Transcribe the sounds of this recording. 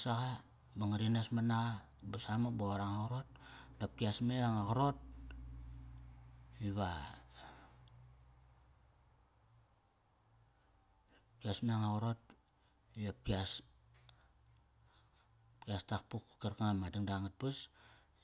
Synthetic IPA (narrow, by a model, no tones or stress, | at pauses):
saɣa | baŋaɾinasmanaɣa | basamaboɾaŋaɣuɾot̚dap̚kiasmeaŋaɣoɾo̞t̚ | iβa | kiasmeaŋaɣuɾo̞t̚ | iap̚kias | pkiastak̚pukkeɾkaŋamadiŋdaŋat̚pas